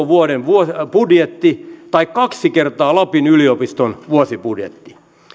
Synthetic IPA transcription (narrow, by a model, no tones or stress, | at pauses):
ʋuoɾenʋuopudjet̪ːit̪ɑikkːɑksikert̪ɑːlɑpinyliopist̪onʋuosipudjḛt̪ːi̥